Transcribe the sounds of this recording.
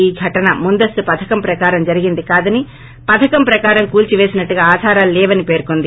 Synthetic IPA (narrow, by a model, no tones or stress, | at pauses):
iːɡʱɐʈɐnɐmund̪ɐst̪upɐd̪ʰɐkɐmpɾɐkaːɾɐmd͡ʒɐɾiɡind̪ikaːd̪ɐni | pɐt̪ʰɐkɐmpɾɐkaːɾɐmkuːlt͡ʃiʋe̞ːsinɐʈːuɡaːaːd̪ʱaːɾaːllɛːʋɐnipe̞ːɾkond̪i